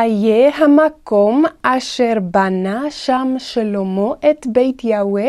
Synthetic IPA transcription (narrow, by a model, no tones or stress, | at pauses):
ajeɦamakomʔaʃeɾbanaʃamʃelomoʔet̪bejt̪jawe